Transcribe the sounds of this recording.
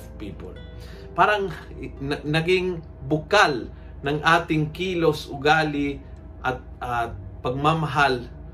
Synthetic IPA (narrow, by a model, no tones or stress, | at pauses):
piːpo̰l | paːɾɐŋ | nɐɡɪŋ | bʊkal | nɐŋʔaːt̪ɪŋkiːlosʊɡaːlɪ | ʔɐt̪̚apɐɡ̚mamaɦal